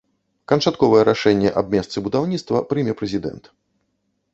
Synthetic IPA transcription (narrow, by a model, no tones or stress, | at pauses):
kɐnt͡ʂat̪kɔvɐjɛɾaʂɛnʲːɛʔab̚ʲmʲɛst̪sɨbud̪awnʲit̪st̪vɐpɾɨmʲɛpɾɛzʲid̪ɛ̰nt̪